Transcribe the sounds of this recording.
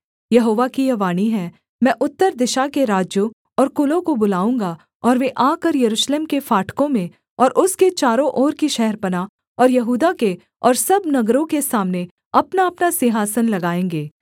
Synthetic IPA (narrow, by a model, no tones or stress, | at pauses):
jɐɦoːʋakijɐʋaːniɦɛː | mɛ̃ːʔʊt̪ːəɾd̪ɪʃakeɾaːd͡ʒjõ | ɔːɾkʊlõkobʊlaːũːŋɡa | ɔːɾʋeʔaːkəɾjɐɾuːʃleːmkefaːʈʰkõmẽ | ɔːɾʔʊsket͡ʃaːɾõʔɔːɾkiʃɛɦɛɾpɐna | ɔːɾjɐɦuːd̪ake | ɔːɾsɐbnɐɡɾõkesaːmne | ɐpnaɐpnasɪɦaːsənlɐɡaːẽːŋɡeː